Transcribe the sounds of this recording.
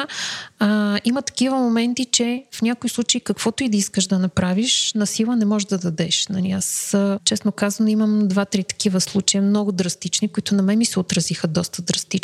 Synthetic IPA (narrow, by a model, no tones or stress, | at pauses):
imɐt̪ɐ̥kivəmomɛnt̪it͡ʃɛfnʲakoislˠut͡ʃeikɐkv̥ɔt̪ʊid̪ɐiskəʒd̪ɐnɐpɾaviʃnɐsilˠənɛmɔʒd̪ɐd̪ɐd̪ɛʃnɐnlʲiast͡ʃɛsnokazɐnoiməmd̪vat̪ɾit̪ɐ̥kivəslˠut͡ʃɐjəmnɔɡʊd̪ɾɐst̪it͡ʃnikʊit̪ʊnɐmɛmisɛot̪ɾɐzixəd̪ɔst̪əd̪ɾɐst̪i